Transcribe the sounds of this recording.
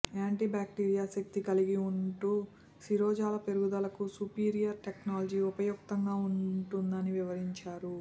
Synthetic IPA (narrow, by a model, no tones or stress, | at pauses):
aːɳʈiːbaːk̚ʈiːɾijaːsek̚t̪ikɐliɡiuɳʈuː | siɾɔːd͡ʒaːlɐpe̞ɾuɡud̪ɐlɐkusupiːɾijɐɾʈeknaːlɐd͡ʒiupɐjuk̚t̪ɐŋɡaːuɳʈund̪ɐniʋiʋɐɾiɲt͡ʃaːɾu